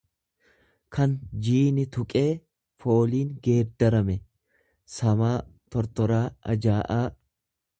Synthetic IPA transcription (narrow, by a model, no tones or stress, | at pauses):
kʰɐnd͡ʒiːnɪt̪ʊkʼe̞ː | fo̞ːliːŋɡeːɾd̪ɐɾɐmɛ | sɐmaːt̪ɔɾt̪ɔɾaːʔɐ̰d͡ʒaːʔaː